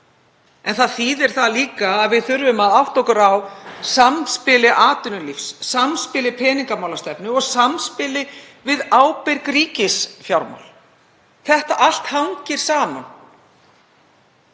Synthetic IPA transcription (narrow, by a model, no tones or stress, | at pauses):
ɛnθaðθiðɛɾ̥θaliːkaːðvɪðθʏɾvʏmaðaft̪ɔhkʏɾawsamspɪlɪʔaːt̪ʏnʏlifsːamspɪlɪpʰɛːniŋkamawlast̪ɛpnʏɔɣsamspɪlɪ | vɪðaːwpɛjɾkɾiːcɪsfjawɾma̰wl | θɛht̪aʔal̥t̪haɲcɪɾ̥saːma̰n